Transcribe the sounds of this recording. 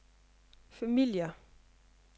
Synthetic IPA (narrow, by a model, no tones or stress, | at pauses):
fæmiljə